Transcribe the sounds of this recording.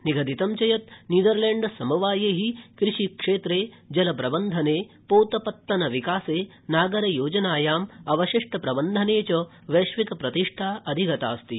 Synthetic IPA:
niɡʱɐd̪it̪ɐmt͡ʃɐjɐt̪̚niːd̪ɐɾleːɳɖsɐmɐʋaːjeːɦikɾiʂikʂeːt̪ɾeː | d͡ʒɐlɐpɾɐbɐnd̪ʱɐneː | poːt̪ɐpɐt̪ːɐnɐʋikaːseː | naːɡɐɾɐjoːd͡ʒɐnaːjaːmɐʋɐʃiʂʈʰɐpɾɐbɐnd̪ʱɐneːt͡ʃɐ | ʋeʃʋikɐpɾɐt̪iʂʈʰaːʔɐd̪ʱiɡʱɐt̪a̰ːst̪i

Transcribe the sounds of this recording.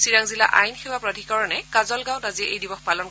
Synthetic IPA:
siɹaŋzila̰ʔa̰jnxewapɹadʱikɔɹɔnɛkazɔlɡãw̃taziɛʔejdibɔxpalɔn

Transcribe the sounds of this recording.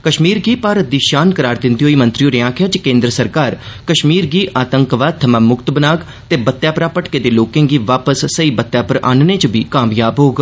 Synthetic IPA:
kəʃmiːɾɡiːpaːɾət̪̚d̪iːʃaːnkəɾaːɾd̪ɪ̃nd̪iɦoːiːmə̃nt̪ɾioːɾɪãːkʰɪjaːt͡ʃəkẽːnd̪ɾəsəɾkaːɾkəʃmiːɾɡiːʔʔaːt̪ə̃ŋkʋaːd̪̚t̪ʰəmãːmʊkt̪bənaːɡ | t̪eːbət̪ːjaːpɾaːpəʈkeːd̪eːloːkẽːŋɡiːʋaːpəsːəiːbət̪ːjaːpəɾa̰ːnneːt͡ʃəbiːkaːmjaːbɦoːɡ

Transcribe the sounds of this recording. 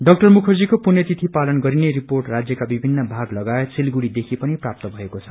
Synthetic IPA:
ɖʌk̚ʈʌrmukʰʌrd͡zikopunjʌt̪it̪ʰipalʌnɡʌɾineɾiporʈrad͡zjʌkabibʱinːʌbʱaɡlʌɡaesʰelɡuɽid̪ekʰipʌniprap̚t̪ʌbʱʌekot͡sʰʌ̥

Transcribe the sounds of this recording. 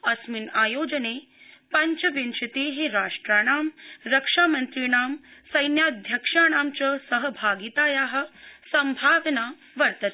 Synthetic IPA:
ɐsminaːjoːd͡ʒɐneː | pɐɲt͡ʃɐʋint͡ʃɐt̪eːɦiɾaːʂʈɾaːɳaːmɾɐkʂaːmɐnt̪ɾiːɳaːmsɐjnjaːd̪ʱjɐkʂaːɳaːmt͡ʃɐsɐɦɐbʱaːɡit̪aːjaːɦɐ̆sɐmbʱaːʋnaː | ʋɐɾt̪ɐt̪

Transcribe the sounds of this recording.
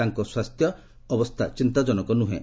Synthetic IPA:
aŋkɔswast̪ʰjɔː | bɔst̪ʰat͡ʃint̪ad͡ʒɔnɔkɔnuɦḛ̃

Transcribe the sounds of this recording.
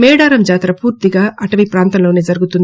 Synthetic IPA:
mɛːɽaːɾɐmd͡ʒaːt̪ɾɐpuːɾt̪iɡaːʔɐʈɐmipɾaːnt̪ɐmlo̞ːneːd͡ʒɐɾuɡut̪und̪

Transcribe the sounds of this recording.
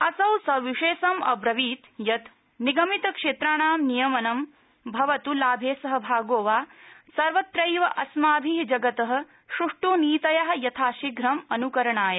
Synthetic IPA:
ɐsɐwsɐʋiʂeːsɐmɐ̰bɾɐʋiːt̪jɐt̪ | niɡɐmit̪ɐkʂeːt̪ɾaːɳaːmnijɐmɐnɐm | bʱɐʋɐt̪ulaːbʱeːsɐɦɐ̆bʱaːɡoːʋaːsɐɾʋɐt̪ɾɐjʋɐʔɐsmaːbʱiɦd͡ʒɐɡɐt̪ɐɦɐ̆ | ʃuʂʈuːniːt̪ɐjaɦɐ̆jɐt̪ʰaːʃiɡɾɐmɐnukɐɾɐɳaːjɐ

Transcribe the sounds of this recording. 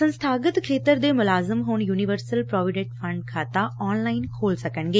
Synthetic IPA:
sɐ̃nst̪ʰaːɡət̪kʰeːt̪əɾd̪eːmʊlaːzɪmɦoːɳ̃juːniʋəɾsəlpɾɔːʋɪɖeʈfʰɐ̃ɳɖkʰaːt̪aɔːnlaːɪnkʰoːlsɐkəɳɡeː

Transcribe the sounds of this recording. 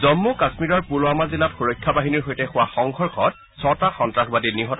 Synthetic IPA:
zɔmːukasmiɹɔɹpulʊamazilatxuɹojkʰːabaɦiniɹɦojtɛxʊwaxɔŋkʰɔɹkʰɔt̚ | sɔtaxɔntɹaxbadiniɦɔt

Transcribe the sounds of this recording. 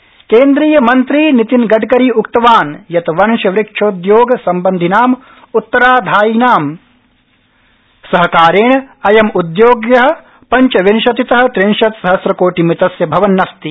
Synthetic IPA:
keːnd̪ɾiːjɐmɐnt̪ɾiːnit̪inɡɐʈkɐɾiukt̪ɐʋaːnjɐt̪ɐʋɐnʃɐʋɾɪkʂʰɐud̪joːɡɐsɐmbɐnd̪ʱinaːm | ut̪ːɐɾaːd̪ʱaːjinaːm | sɐɦɐkaːɾeːɳɐɐjɐmud̪joːɡjɐɦɐ̆ | pɐɲt͡ʃɐʋinʃɐt̪it̪ɐɦɐ̆t̪ɾinʃɐt̪sɐɦɐsɾɐkoːʈimit̪ɐsjɐbʱɐʋɐnːɐst̪i

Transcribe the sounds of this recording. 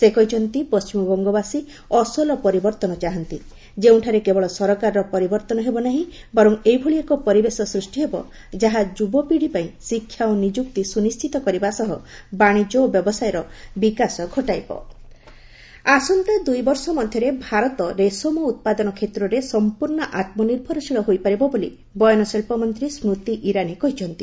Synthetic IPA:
sekɔjt͡ʃʰɔnt̪ipɔst͡ʃimɔbɔŋɡɔbasi | ɔsɔlɔpɔɾibɔɾt̪ɔnɔt͡ʃaɦɔnt̪i | d͡ʒeuw̃ʈʰaɾekebɔɭɔsɔɾɔkaɾɔɾɔpɔɾibɔɾt̪ɔnɔɦebɔnaɦĩ | bɔɾɔŋejbʱoɭiekɔpɔɾibesɔsɾusʈiɦebɔ̰ | d͡ʒaɦad͡ʒubɔpiɽipaĩsikʰːjaonid͡ʒuk̚t̪isunist͡ʃʰit̪ɔkɔɾibasɔɦɔbaɽ̃id͡ʒɔbjɔbɔsajɔɾɔbikasɔɡʱɔʈajbɔ̰ | asunt̪ed̪ujbɔɾsɔmɔd̪ʱjɔɾebʱaɾɔt̪ɔɾesomɔut̪̚pad̪ɔnɔkʰet̪ɾɔɾesɔmpuɾɳɔʔat̪̚mɔniɾbʱɔɾɔsiɭɔɦojpaɾibɔbolḭ | bɔjɔnɔselpɔmɔnt̪ɾisɾut̪iʔiɾanikɔɦit͡ʃʰɔnt̪i

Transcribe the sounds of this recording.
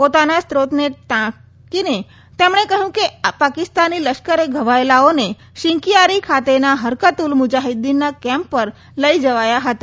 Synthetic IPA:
pot̪anast̪ɾot̪net̪ã | kine | t̪emɳ̃ekəɦjũkepakɪst̪anːiləʃkəɾeɡʱəʋaelaone | ʃɪ̃ŋkijaɾikʰat̪enaɦəɾkət̪ulmʊd͡ʒaɦid̪inːakɛ̃mpːəɾ | ləid͡ʒəʋajaɦət̪a

